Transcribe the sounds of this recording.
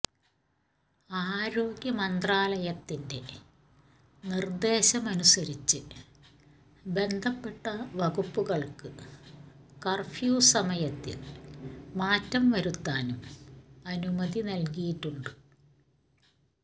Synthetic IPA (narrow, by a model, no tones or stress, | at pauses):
aːɾo̞ːɡjɐmɐnd̪raːlɐjɐt̪ːinde̞ | nird̪e̞ːɕɐmɐnusɐɾit͡ɕːɨ | be̞nd̪ʱɐpːe̞ʈːɐʋɐɣupːuɣɐɭkɨ | kɐrfjuːsɐmɐjɐt̪ːḭl | maːtːɐmʋɐɾut̪ːaːnumɐnumɐðinɐlkijiʈːuɳɖɨ